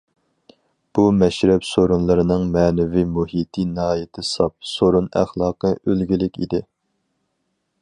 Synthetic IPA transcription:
b̥umɛʃɾɛpsoɾunlˠɨɾɨnɨŋmɛːnɛvimuhit̪ʰinɨɦɑːjɪt̪ʰɪsɑp̚soɾunæ̰χlˠɑːqʰəølɡʲilɪkʲḭd̪ɪ

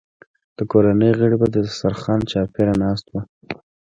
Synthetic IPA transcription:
d̪̥əkoɾanəjɣəɽibad̪əsaɾxɑnt͡ʃɑpeɾanɑs̬t̪wa

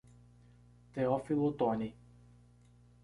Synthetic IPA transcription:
t̪eɔfilˠot̪ɔni

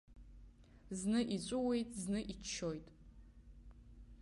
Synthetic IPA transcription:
znɨʔit͡ɕʷʼʊwe̞jtʼznɨʔit͡ʃːojtʼ

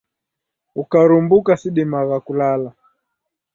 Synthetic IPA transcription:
ukaɾumbukasiɗimaɣakulala

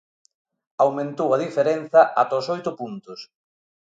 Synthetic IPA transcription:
awmẽnt̪owɐðifeɾenθɐʔat̪oosojt̪ʊpunt̪ʊs

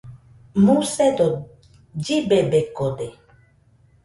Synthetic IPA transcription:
mũsɛdɔ | d͡ʒibebekɔde

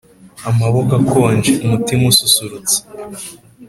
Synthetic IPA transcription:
amaβo̞kakʰoːnd͡ʒeʔumutimususuɾut͡se̥

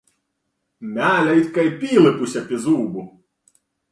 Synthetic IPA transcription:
mʲalʲɐjit̪ʲkɐjpʲilˠɪpusʲɐpʲizubʊ

